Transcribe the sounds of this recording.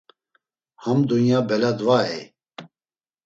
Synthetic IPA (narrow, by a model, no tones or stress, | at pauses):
hamd̪unjabɛlad̪vaɛ